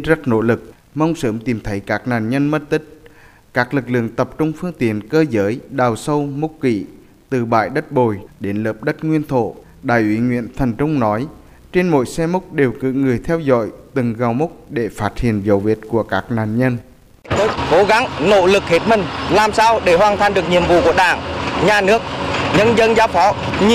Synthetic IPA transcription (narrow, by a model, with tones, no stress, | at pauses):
zə˦˥t̚no̰˧˥lɨ˨˩k̚ | mə˧wŋ͡msəː˧˦mt̪i˨˩mt̪ʰə˨˦jkaː˦˥k̚na̰ː˨˩nɲə˧nmə˦˥t̚t̪ï˦˥k̟̚ | kaː˦˥k̚lɨ˨˩k̚lɨ̰˧˨əŋt̪ə˨˩p̚t͡ɕʊ˧ŋ͡mfɨ˧əŋt̪ḭ˨˧˨ənkəː˧zəː˨˦jɗaː˨˩wsə˧wmʊ˦˥k͡p̚kḭ˧˨ | t̪ɨ˨˩ɓa̰ː˧˨jɗə˦˥t̚ɓo˨˩jɗe˨˦nləː˨˩p̚ɗə˦˥t̚ŋwi˧ənt̪ʰo̰˧˩˨ | ɗaː˧˨˩jʔwi˨˦ŋwḭ˧˨ənt̪ʰə˨˩jŋ̟t͡ɕʊ˧wŋ͡mnɔ˨˦j | t͡ɕe˧nmo̰˧˨jsɛ˧mʊ˦˥k͡p̚ɗe˨˩wkɨ̰˧˥ŋɨ˨˩əjt̪ʰɛ˧wzɔ̰˧˨jt̪ɨ˨˩ŋɣa˨˩wmʊ˦˥k͡p̚ɗe˧˩faː˦˥t̚hḭ˧˨ənzə˨˦wvḭ˨˩t̚ku˧˩əkaː˦˥k̚na̰ː˧˨nɲə˧n | t̪ʰə˨˦ko˨˦ɣa˨˦ŋno̰˧˨lɨ˨˩k̚he˨˦˥t̚mï˨˩ŋ̟laː˨˩msaː˧wɗe˧˩ɦwaː˨˩nt̪ʰa˨˩nɗɨ˨˩ək̚ɲḭ˧˨əmvṵ˧˨ku˧˩əɗaː˧˩ŋɲaː˨˩nɨ˦˥ək̚ɲə˧nzə˧nzaː˨˦wfɔ˨˦ɲ